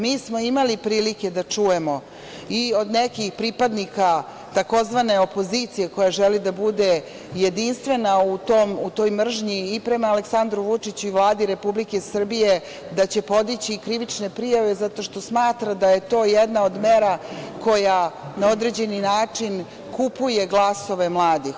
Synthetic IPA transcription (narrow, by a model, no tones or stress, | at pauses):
miːsmo̞imalipɾiːliked̪at͡ʂuje̞mo̞ | io̞d̪nekixpɾipad̪nika | t̪ako̞zʋane̞o̞po̞zit̪sije̞ko̞jaʒelid̪abud̪e̞ | jed̪inst̪ʋe̞naut̪omut̪o̞ːjmr̩ʒɲiːpɾe̞maːleksand̪ɾuʋut͡ʂit͡ɕuiʋlˠaːd̪iɾe̞publike̞sr̩bije̞ | d̪at͡ɕe̞po̞d̪it͡ɕikɾiʋit͡ʂne̞pɾijaʋe̞zat̪o̞ʃt̪o̞smaːt̪ɾad̪ajet̪o̞ːjed̪nao̞d̪meɾako̞janao̞d̪ɾe̞d͡ʑe̞ninaːt͡ʂin | kupuje̞ɡlˠaso̞ʋemlˠaːd̪ix